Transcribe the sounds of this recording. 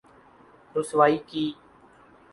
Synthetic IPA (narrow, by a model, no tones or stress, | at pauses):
ɾʊsʋaːiːkiː